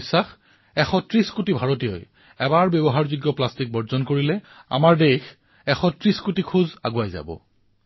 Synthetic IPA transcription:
sax | ɛxɔtɹiskutibʱaɹotijɔ̰j | ɛbaɹbjɔbɔɦaɹzuɡjɔplastik̚bɔɹzɔnkoɹilɛ | a̰maɹdex | ɛxɔtɹiskutikʰuza̰ɡuajza̰bɔ̰

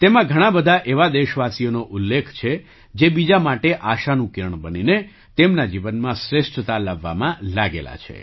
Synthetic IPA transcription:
t̪emãɡʱəɽ̃ãbəd̪ʱaʔeʋad̪eʃʋasijonoʔulːekʰt͡ʃʰe | d͡ʒebid͡ʒamaʈeʔaʃanũkiɾəɳbənine | t̪emnad͡ʒiʋənmãsɾeʃʈt̪alaʋːa̰mãlaɡḛla̰t͡ʃʰḛ

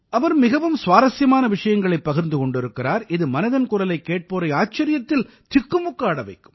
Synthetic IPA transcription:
ɐʋɐɾmɪɣɐʋɯmsʋaːɾɐsjɐmaːnɐʋɪʂɐjɐŋɡɐɭɐɪpːɐɣɪɾnd̪ɯkɔɳɖɪɾɯkːɪraːɾɪðɯmɐnɐðɐnkʊɾɐlɐɪkːeːʈ̚poːɾɐɪaːt͡ʃːɐɾɪjɐt̪ːɪl | t̪ɪkːɯmʊkːaːɽɐʋɐɪkːɯ̥m

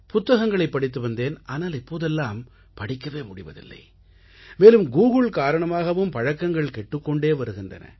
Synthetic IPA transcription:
pʊt̪ːɐɣɐŋɡɐɭɐɪpːɐɽɪt̪̬ːɯʋɐnd̪eːnaːnaːlɪpːoːðɛlːaːm | pɐɽɪkːɐʋeːmʊɽɪʋɐ̰ðɪ̰lːɐ̰ɪ | meːlɯmɡuːɣɯɭkaːɾɐɳɐmaːɣɐʋɯmpɐɻɐkːɐŋɡɐɭkɛʈːɯkːɔɳɖeːʋɐɾɯɣɪndrɐ̰nɐ̰

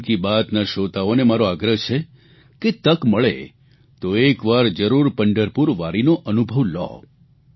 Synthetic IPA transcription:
kibat̪naʃot̪aonemaɾoaɡɾəɦt͡ʃʰe | ket̪əkməɭḛ | t̪oekʋaɾd͡ʒəɾuɾpəɳɖəɾpuɾʋaɾinoʔənubʱəʋlɔ̰

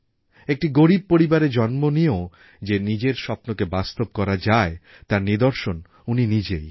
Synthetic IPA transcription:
ek̚ʈiɡoɾib̚poɾibaɾed͡ʑɔnmonio | d͡ʑenid͡ʑeɾʃɔpnokebast̪ob̚kɔɾad͡ʑae | t̪aɾnid̪oɾʃon | uninid͡ʑej

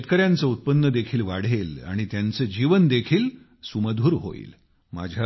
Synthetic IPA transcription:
et̪kəɾjãnt͡səut̪̚pənːəd̪ekʰiːlʋaɽ̤ela̰ɽ̃it̪jant͡səd͡ʑiʋənd̪ekʰiːl | suməd̪ʱuːɾɦo̰ḭːl | ma̰d͡ʑʱja

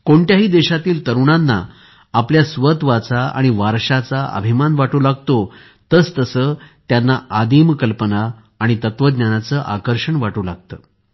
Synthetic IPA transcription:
koɳʈjaɦiːd̪eɕat̪iːlt̪əɾuɳ̃anːa̰ː | pljasʋət̪ʋat͡saa̰ɽ̃iʋaɾʂat͡saə̰bʱimanʋaʈuːlaɡt̪o | t̪əːst̪əsəːt̪janːaʔad̪imkəlpənaː | ɽ̃it̪ət̪ʋəd̪nanat͡səːʔakəɾʂəɳʋaʈuːlaɡ̚t̪ə̰ː

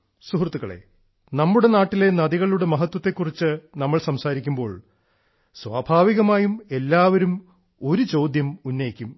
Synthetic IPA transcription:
suɦrt̪ːuɣɐɭe̞̰ | nɐmːuɽe̞naːʈːile̞nɐðiɣɐɭɭuɽe̞mɐɦɐt̪wɐt̪ːe̞kːurit͡ɕːɨnɐmːɐɭsɐmsaːɾikʲːumbo̞ːɭ | sʋaːbʱaːʋiɣɐmaːjume̞lːaːʋɐɾum | o̞ɾut͡ɕo̞ːd̪jɐmunːɐjikʲːum

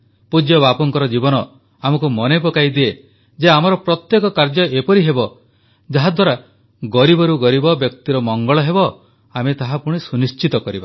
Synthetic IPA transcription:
pud͡ʒjɔβapɔŋkɔɾɔd͡ʒibɔnɔ | amɔkumɔnep̬ɔkajd̪ie | d͡ʒeamɔɾɔpɾɔt̪jekɔkaɾd͡ʒɔʔepɔɾiɦebɔ | d͡ʒaɦad̪ʱwaɾa | ɡɔɾibɔɾuɡɔɾibɔbjɔk̚t̪iɾɔmɔŋɡɔɭɔɦebɔ | amet̪aɦapuɽ̃isunist͡ʃit̪ɔkɔɾiba

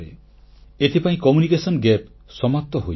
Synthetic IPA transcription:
ɾe | et̪ʰipaĩkɔmunikesɔnɡep | sɔmap̚t̪ɔɦo̰j

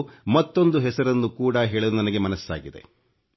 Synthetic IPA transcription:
mɐt̪ːo̞nd̪uɦɛsɐɾɐnːukuːɽɐɦeːɭid̪unɐnɐɡe̞mɐnɐsːa̰ːɡid̪e̞̰

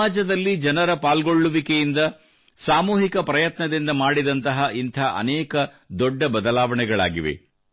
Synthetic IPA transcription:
aːd͡ʒɐd̪ɐlːid͡ʒɐnɐɾɐpaːlɡoɭːuʋikejind̪ɐ | saːmuːɦikɐpɾɐjɐt̪nɐd̪ind̪ɐmaːɽid̪ɐnt̪ɐɦɐʔint̪ʰaːʔɐ̰nɛːkɐ | d̪ɔɖːɐbɐd̪ɐlaːʋɐɳɛɡɐɭa̰ːɡiʋḛ

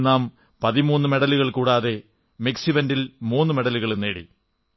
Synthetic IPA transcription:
nːaːm | pɐðimuːnːɨme̞ɽɐluɣɐɭkuːɽaːðe̞ | miksiʋɐndilmuːnːɨme̞ɽɐluɣɐɭenːeːɽḭ

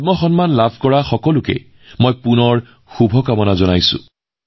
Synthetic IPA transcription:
mɔxɔnmanlabʱkɔɹaxɔkɔlʊkɛ̰ | mɔjpunɔɹ | xubʱɔkamɔnazɔnajsʊ̰̃

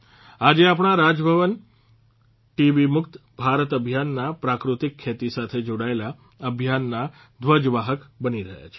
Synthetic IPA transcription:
ad͡ʒeapɳ̃aɾad͡ʒbʱəʋən | ʈiʋimʊkt̪bʱaɾət̪əbʱjanːapɾakɾut̪ikʰːet̪isat̪ʰed͡ʒoɽaela | əbʱjanːa | d̪ʋəd͡ʒʋaɦəkbəniɾəɦja̰t͡ʃʰe̥

